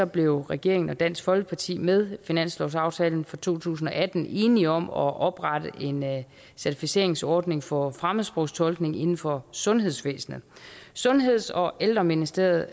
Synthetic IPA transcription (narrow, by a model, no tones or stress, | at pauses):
sɒ̽b̥le̝ʊʁɛɡ̥e̝ɐe̝ŋn̩ɒ̽d̥æn̰sɡ̥fɒ̽lɡ̥əpʰɑ̈t͡sʰḭːmeð̞ˠfinæn̰slɒʊsɑ̈ʊt͡sʰɛːln̩fɒ̽t͡sʰo̝̰ːt͡sʰṵːs̬n̩ɒ̽ʔæd̥n̩ʔe̝ːniɒ̽mɒʔɒ̽b̥ʁɑ̈d̥əʔe̝n | sæɐt͡sʰifise̝̰ɐ̰eŋsɒːd̥ne̝ŋfɒ̽fʁamˠsb̥ʁoʊst͡sʰɒ̽lɡ̥ne̝ŋe̝nn̩fɒ̽sɔ̽nɦe̝ðˠsʋḛːsn̩əsɔ̽nɦe̝ð̞̰ˠsɒ̽ʔeld̥ʁɐminisd̥e̝̰ɐð̞ˠ